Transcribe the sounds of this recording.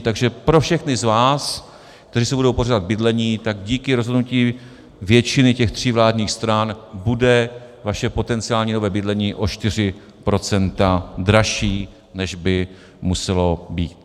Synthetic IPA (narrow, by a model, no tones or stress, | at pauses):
t̪aɡʒɛpɾofʃɛxnɪzvaːs | k̚t̪ɛɾiːsɛbudo̞wporadad̪̚bɪdlɛɲiːt̪aɡɟiːkɪɾo̞zɦodnuciː | vjɛt͡ʃɪnɪcɛxt̪r̝̥ɪvlaːdɲiːxst̪ɾanbudɛ | vaʃɛpo̞t̪ɛnt͡sɪaːlɲiːno̞vɛːbɪdlɛɲiːʔo̞ʃt̪ɪr̝ɪ | pɾo̞t͡sɛnt̪ad̪ɾaʃiː | nɛʒbɪ | musɛlo̞biːt̪